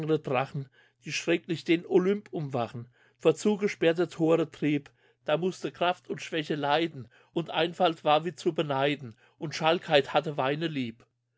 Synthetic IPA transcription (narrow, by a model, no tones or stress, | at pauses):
əʁədʁaχn̩ | d̥iːʃʁ̥ɛklɪçd̥eːnolʏmpʊmvaχn̩ | foːɐt͡suːɡəʃpɛɐtətʰoːʁətʁ̥iːp | d̥aːmʊstəkʁ̥aftʰʊntʃv̥ɛçəlaɪdn̩ | ʔʊntʔa̰ɪnfaltv̥aːɐviːt͡subənaɪdn̩ | ʔʊntʃalkʰhaɪthatəvaɪnəliːp